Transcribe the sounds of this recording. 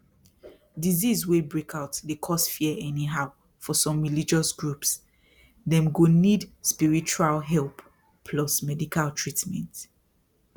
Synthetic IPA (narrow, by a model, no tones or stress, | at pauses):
dizizwebɹekʰaʊtdekʰɔsfiəɛniɦaʊ | fɔsɔ̃mɹilid͡ʒɔsɡɹups | ðɛ̃mɡonidspiɹit͡ʃualɦɛlp | pʰlɔsmɛdikʰaltʰɹitmɛ̰̃nt